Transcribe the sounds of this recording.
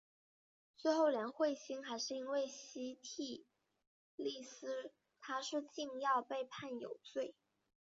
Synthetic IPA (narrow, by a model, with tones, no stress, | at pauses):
t͡swe˥˧ɪxo˥˩ʊljɛ˧˥nxwe˥˩ɪɕi˥ŋxa˧˥ɪʂɻ̩˥˧i˥nwe˥˩ɪɕi˧˥t̪ʰi˨˩ | li˥˩sɹ̩˥ | t̪ʰa˥ʂ̩˥˧t͡ɕi˥˧ŋjɑ˥˧ʊpe˥˧ɪpʰa˥˩njo̰˨˩ʊt͡swe˥˩ɪ